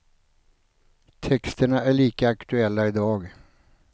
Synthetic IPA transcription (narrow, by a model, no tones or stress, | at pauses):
t̪ʰɛkst̪əɳaæɭiːkaakt̪ɵɛlːaɪd̪ɑːɡ